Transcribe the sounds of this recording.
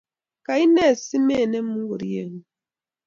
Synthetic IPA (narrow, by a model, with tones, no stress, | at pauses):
ka˨i˦ne˦˨si˦me˦˨ne˦m̩˦mu˦ŋ˦ɡu˨ɾi˦je˦˨ŋ˨